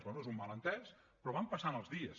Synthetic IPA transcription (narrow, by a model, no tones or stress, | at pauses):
zβɛnuezummalˠənt̪ɛs | pɾɔβampəsanəlˠzðiəs